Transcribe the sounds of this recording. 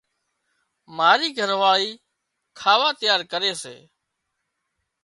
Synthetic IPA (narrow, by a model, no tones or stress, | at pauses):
maːɾiːɡʱəɾʋaːɭiː | kʰaːʋaːt̪əjaːɾkəɾeːsḛː